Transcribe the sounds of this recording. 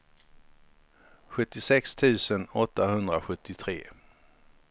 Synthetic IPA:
ɧɵt̪ːɪsɛkst̪ʰʉ̟ːsənɔt̪ːahɵnd̪ɾaɧɵt̪ʰːɪt̪ʰɾeː

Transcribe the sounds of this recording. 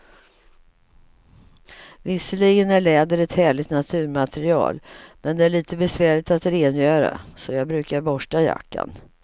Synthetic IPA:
vɪsːəliːɡənæɭɛːd̪əɾɛt̪hæːɭɪt̪nat̪ʰʉ̟ːɾmat̪ʰɛɾɪɑ̰ːlmɛnd̪ɛæɭiːt̪əbɛsvæːɭɪt̪at̪ɾeːnjœːɾa̰sɔjɑːɡbɾʉ̟ːkaɾbɔʂʈaja̰kːa̰n

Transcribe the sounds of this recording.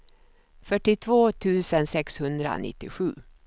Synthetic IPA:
fœʈːɪt̪ʰvoːt̪ʰʉ̟ːsənsɛkshɵnd̪ɾa̰nɪ̰t̪ːɪɧʉ̟ː

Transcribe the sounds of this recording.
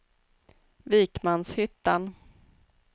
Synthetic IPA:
viːkmanshʏt̪ːan

